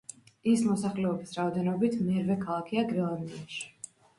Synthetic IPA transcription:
ismɔsaχlɛɔbisɾaɔd̪ɛnɔbit̪ʰmɛɾvɛkʰalˠakʰiaɡɾɛlˠand̪iaʃi̥

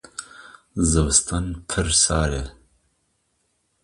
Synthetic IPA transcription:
zɨwst̪ʰɐnpʰɨɾsaːɾe

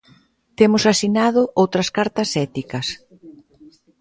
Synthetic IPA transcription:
t̪emʊsasinaðʊʔowt̪ɾɐskaɾt̪ɐsɛt̪ikɐs

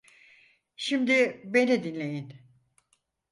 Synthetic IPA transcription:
ʃimd̪ibe̞nid̪inlʲe̞jin

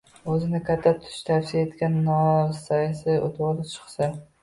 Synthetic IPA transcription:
ɵzɪnɪkʲʰat̪ʰːat̪ʰʊ̥ʃt̪ʰafsijaet̪kʲanːɒsajasɪo̰t̪ʰolɪt͡ʃʰɨ̥χsa

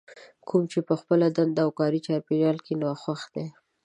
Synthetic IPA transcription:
kʰumt͡ʃepəxpəlad̪and̪aːwkɑɾit͡ʃɑɾpeʒɑlkinwaxwaxd̪̥e

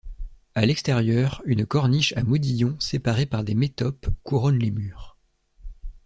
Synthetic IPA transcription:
alɛkst̪ɛʁjœːʁynkɔʁniʃamud̪ijɔ̃sepaʁepaʁd̪emet̪ɔpkuʁɔnlemyːʁ

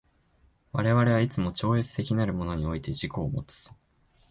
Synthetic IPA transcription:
βaɾe̞βaɾe̞βait͡sɨmo̞t͡ɕo̞ːe̞t͡sɨ̥t̪e̞kʲinaɾɯ̟mo̞no̞ɲ̟io̞it̪e̞ʑiko̞ːmo̞̰t͡sɨ̥

